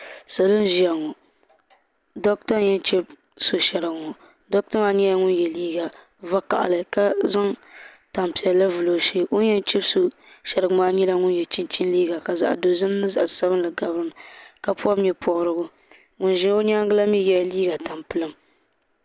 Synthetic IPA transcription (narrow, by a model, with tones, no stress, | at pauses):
sa˨lɨ˦n˦ʒi˨a˨ŋɔ˨ | dɔ˦k̚ta˦ɲɛ˦nt͡ʃɛ˦b | so˦ʃɛ˨ɾɨ˨ɡŋɔ˨ | dɔ˦k̚tɔ˦ma˦ɲɛ˦la˦ŋʊ˦njɛ˨liː˦ɡa˨ | va˦ka̰˨ʔa̰˨lɨ˨ka˦za˦ŋ | ta˨mpi˨ɛː˨a˦vɨ˨lo˨ʃe˦o˦jɛ˦n˦t͡ʃɛ˦bso˦ | ʃɛ˨ɾɨ˨ɡɨ˦maː˦ɲɛ˦la˦ŋʊ˦njɛ˨t͡ʃɪ˦nt͡ʃi˦nliː˦ɡa˨ka˨za̰˨ʔa̰˨do˨zɨ˦m˦nɨ˦za˨ʔsa˦bɨ˦n˦lɨ˨ɡa˨bɾɨ˦m˨ka˨pu˦ɔ˦mɲɛ˨pʰɔ˨ʔɾɨ˦ɡʊ˦ | ŋʊ˨nʒɪ˦n˦o˦ɲ˦a˦ŋ˦ɡɨ˦la˦mi˦jɛ˦˨liː˦ɡa˨ta˨mpɨ˦lɨ˦m